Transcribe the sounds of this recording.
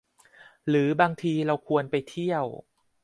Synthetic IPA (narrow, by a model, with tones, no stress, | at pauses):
ɾɯː˩˦baː˧ŋt̪ʰiː˧ɾa˧wkʰu˧ənpa˧jt̪ʰi˥˩əw